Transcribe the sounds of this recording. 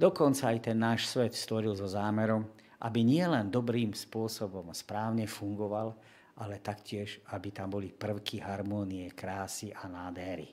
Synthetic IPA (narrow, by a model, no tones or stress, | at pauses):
d̪ɔkɔnt͡sajt̪ɛnːaːʃsʋɛt̪st̪ʋɔɾilzɔzaːmɛɾɔm | ʔa̰biɲɪɛlɛnd̪ɔbɾiːmspʊɔsɔbɔmspɾaːʊɲɛfuŋɡɔʋal | ʔalɛt̪akcɪɛʒabit̪ambɔlipr̩ʊkiɦaɾmɔːniɛkɾaːsiʔanaːd̪ɛɾḭ